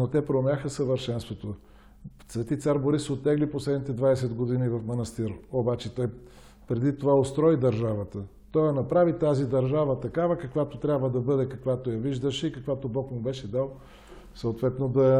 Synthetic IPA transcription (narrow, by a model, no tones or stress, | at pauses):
not̪ɛpɾomʲjaxəsəvəɾʃɛnst̪vot̪o | svɛt̪it̪saɾboɾisot̪ːɛɡliposlɛd̪nit̪ɛd̪vaɛsɛd̪ɡod̪inivɐfmɐnɐst̪iɾobat͡ʃɛt̪ɔj | pɾɛd̪it̪ovaot̪st̪ɾɔid̪ɐɾʒavət̪ə | t̪ɔjɐnɐpɾavit̪azid̪ɐɾʒavət̪ɐkavəkɐkvat̪ot̪ɾʲabvəd̪ɐbɤd̪ɛkɐkvat̪ojɐviʒd̪əʃɛikɐkvat̪obɔkmʊbɛʃɛd̪alˠ | sɐot̪vɛt̪nod̪ɐ